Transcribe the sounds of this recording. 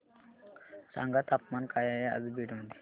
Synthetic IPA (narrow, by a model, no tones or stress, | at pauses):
sã̰ŋɡat̪apmankajajea̰d͡zbiɽməd̪ʱje